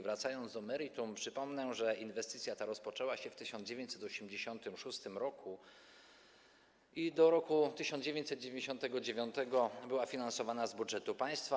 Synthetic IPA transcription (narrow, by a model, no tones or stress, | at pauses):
vɾat̪sajɔnd̪d̪ɔmɛɾit̪umpʂɘpɔmnɛʐɛʔinvɛst̪ɘt̪sʲjat̪aɾɔspɔt͡ʂɛwaɕɛft̪ɘɕɔnd͡ʑevʲjẽɲt͡ɕsɛt̪ɔɕɛmd͡ʑeɕɔnt̪ɘmʂust̪ɘmɾɔkʰu | id̪ɔɾɔkut̪ɘɕɔnd͡ʑevʲẽɲt͡ɕsɛd̪̚d͡ʑevʲjẽɲd͡ʑeɕɔ̃nt̪ɛɡɔd͡ʑevʲjɔnt̪ɛɡɔbɘwafʲinansɔvanazbudʐɛt̪upaj̃st̪fa